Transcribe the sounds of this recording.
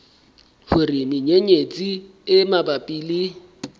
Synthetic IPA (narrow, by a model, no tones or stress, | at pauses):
hʊrimɪɲeɲet͡sʼi | ɪmabapʼiːli